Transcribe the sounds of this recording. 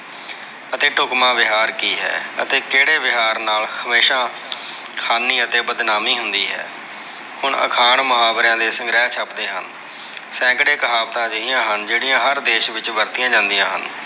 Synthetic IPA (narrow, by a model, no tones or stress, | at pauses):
ət̪eːʈʊkmãːʋɪɦaːɾkiːɦɛ̰ːə̰t̪eːkeːɽeːʋɪɦaːɾnaːlhəmeːʃãː | haːnːiːət̪eːbəd̪naːmiːɦʊnd̪iːɦɛ̰ː | hʊɳə̰kʰaːɳmʊɦaːbɾjãːd̪eːsə̃ŋɡɾɛːt͡ʃʰapd̪eːɦən | sɛ̃ːkɽeːkəɦaːbt̪ãːd͡ʒəɦɪjãːɦənd͡ʒeːɽijãːɦəɾd̪eːʃʋɪt͡ʃʋəɾt̪ɪjãːd͡ʒãːnd̪ɪjãːɦə̰n